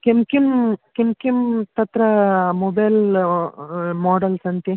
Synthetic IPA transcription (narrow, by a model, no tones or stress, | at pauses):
kemkimkemkimt̪ɐt̪ɾɐmobɐjl | moːɖɐlsɐnt̪i